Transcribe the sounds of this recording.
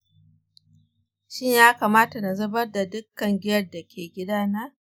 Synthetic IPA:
ʃɪ˦ɲjaː˦kaː˨maː˦ta˨na˨zɐ˦bɐ˦rda˨dʊ˦kːɐ˨ŋɡʲɪ˦jɐ˦rda˨kʲʰeː˨ɡʲɪ˦daː˦naː˦

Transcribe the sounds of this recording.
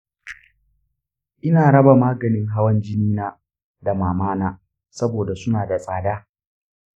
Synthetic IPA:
ʔɪ˦naː˨ɽɐ˦ba˨maː˦ɡɐ˨nɪ˦ŋɦa˦wɐ˦nd͡ʒɪ˦niː˦naː˦ | da˨maː˨maː˦naː˦ | sɐ˦boː˨da˨sʊ˦naː˨da˨sʼaː˨daː˦

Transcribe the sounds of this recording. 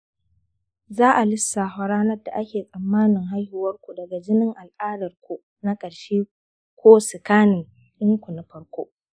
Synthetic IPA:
zaː˦ʔa˨lɪ˦sːa˨ɦa˦ɾaː˦nɐ˦rda˨ʔa˦kʲeː˨sʼɐ˨mːaː˦nɪ˨ŋɦa˦jhɪ˨wɐ˦rkʷu˨dɐ˨ɡa˨d͡ʒɪ˦nɪ˦ŋʔa˨lʔaː˦dɐ˨rkʷu˨ | na˦kʼɐ˨ɽʃeː˦ | kʷoː˦sɪ˨kaː˦nɪ˨ŋ | ʔɪ˦ŋkʷu˨na˨ɸɐ˦ɽkʷoː˦

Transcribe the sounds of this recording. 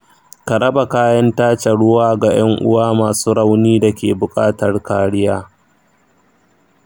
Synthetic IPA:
kɐ˨ɽɐ˦ba˨kaː˦jɐ˦ntaː˦t͡ʃe˨ɽʊ˦waː˦ɡa˨j̰ɐ˦ŋʔʊ̰˦waː˦maː˨suː˦ɽa˦wniː˦da˨kʲeː˨bʊ˨kʼaː˦tɐ˨rkaː˨˦ɽɪ˦jaː˦

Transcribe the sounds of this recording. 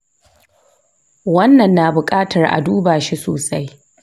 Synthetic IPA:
wɐ˦nːɐ˨nːaː˨bʊ˨kʼaː˦tʰɐ˨rʔa̰˨duː˦baː˨ʃi˦soː˨sa˦j

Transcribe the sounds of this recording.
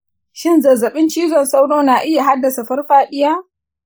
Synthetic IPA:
ʃɪ˦nzɐ˨zɐ˨ɓɪ˦nt͡ʃiː˦zɔ˨nsa˦wɽoː˦naː˨ʔɪ˦ja˨ɦa˦dːɐ˨sa˨ɸɐ˦rɸaː˦ɗɪ˦jaː˦

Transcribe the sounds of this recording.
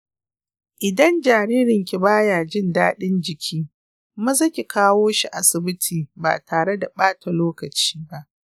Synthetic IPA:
ʔɪ˨dɐ˦nd͡ʒaː˨ɽiː˦ɾɪ˨ŋkʲi˨baː˦jaː˨d͡ʒɪ˦ndaː˦ɗɪ˦nd͡ʒɪ˨kʲʰiː˦ | mɐ˦zɐ˦kʲi˨kʰaː˦woː˦ʃi˨ʔa˨sɪ˨bɪ˦tʰiː˨ba̰ː˨taː˨ɽe˦da˨ɓaː˦tʰa˨loː˦kɐ˨t͡ʃi̥ː˦ba˦ʔ

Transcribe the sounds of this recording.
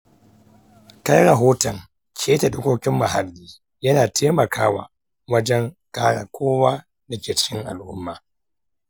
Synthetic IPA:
ka˦jɽɐ˨ɦoː˦tɐ˨ŋ | kʲʰeː˦ta˨ɗʊ˦kʷoː˦kʲɪ˦mːa˨ɦa˨lːiː˦ | jɐ˦naː˨tʰeː˦mɐ˨kʰaː˦wa̰ː˨ | wɐ˦d͡ʒɛ˦ŋkaː˦ɽa̰˨kʷʰoː˦waː˦ | da˨kʲeː˨t͡ʃɪ̥˦kʲɪ˦ŋʔa̰˨lʔʊ̰˦mːaː˨

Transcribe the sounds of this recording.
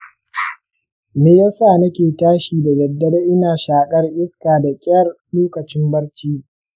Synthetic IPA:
meː˨jaː˦saː˦˨nɐ˦kʲeː˨taː˦ʃiː˨da˨dɐ˨dːɐ˦ɽʔɪ˦naː˨ʃaː˨kʼɐ˦rʔɪ˦skaː˨da˨kʲʼɪ˦ɐ˦r | luː˦kɐ˨t͡ʃɪ˦mbɐ˦ɽt͡ʃiː˦

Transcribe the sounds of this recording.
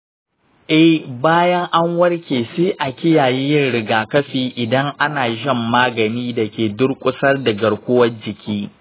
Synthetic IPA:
ʔɛ˦hbaː˦jɐ˦ŋʔa˦ŋwɐ˦rkʲeː˨seː˦ʔa˨kʲɪ˦jaː˨ji˦jɪ˦nɽɪ˨ɡaː˨kɐ˦ɸiː˨ʔɪ˨dɐ˦ŋʔa˦naː˨ʒɪ˦˨mːaː˦ɡɐ˨niː˦dɐ˨kʲeː˨dʊ˦rkʷʼʊ˦sɐ˦rdɐ˨ɡɐ˨ɽkʷʊ˦wɐ˦nd͡ʒɪ˨kʲʰiː˦

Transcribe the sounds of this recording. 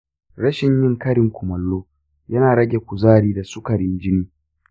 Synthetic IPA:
ɽɐ˦ʃɪ˨ɲjɪ˦ŋkɐ˦ɾɪ˨ŋkʷʊ˨mɐ˨lːoː˦ | jɐ˦naː˨ɽɐ˦ɡʲe˨kʷʊ˨zaː˦˨ɽiː˦da˨su˦kɐ˨ɽɪ˦nd͡ʒɪ˦niː˦

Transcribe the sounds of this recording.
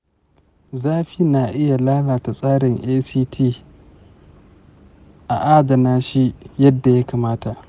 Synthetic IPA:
zaː˦ɸi˦na˨ʔɪ˦ja˨laː˦laː˨ta˨sʼaː˦ɽɪ˨ŋʔeː˦siː˦tʰiː˦ | ʔa̰˨ʔaː˦dɐ˨naː˦ʃi˦jɐ˦dːa˨ja˦kaː˨maː˦ta˨ʔ

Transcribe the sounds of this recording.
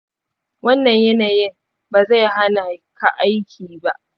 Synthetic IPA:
wɐ˦nːɐ˨ɲjɐ˦naː˨jɪ˦ŋ | baː˨za˦˨jɦa˦na˨kʰa˨ʔa˦jkʲʰiː˨ba̰˦ʔ

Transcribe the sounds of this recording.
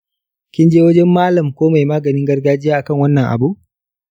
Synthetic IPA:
kʲɪ˦nd͡ʒeː˦wɐ˦d͡ʒɛ˦mːaː˦lɐ˨mkʷoː˦ma˨jmaː˦ɡɐ˨nɪ˦ŋɡɐ˦rɡaː˦d͡ʒɪ˦jaː˦ʔa˨kɐ˦˨ŋwɐ˦nːɐ˨ŋʔa̰˨bu˦ʔ

